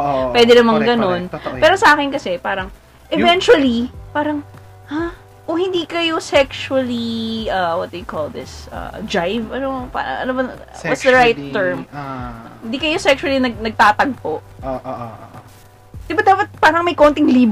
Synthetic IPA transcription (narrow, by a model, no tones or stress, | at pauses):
pwɛd̪ɛnɐmɐŋɡɐnonpɛːɾosɐʔaːkɪnkɐsɛpaːɾɐŋ | ʔɛvɛnt͡ʃuwɐlipaːɾɐŋ | ʔa | ʔohɪnd̪iːkɐjo̞sɛkʃuɐliʔɐwɐt̪̚d̪ɐjkold̪ɪsʔɐ̰d͡ʒajvɐnopa̰ɐ̰ʔɐ̰nobɐ | wɐsd̪ɐɹajt̪ːɛɹm | ɪnd̪iːkɐjo̞sɛkʃʊwɐlinɐɡ̚nɐɡ̚t̪aːt̪ɐɡ̚poʔ | d̪̥ɪbad̪aːpɐt̪̚paːɾɐŋmɐjkont̪ɪŋliːb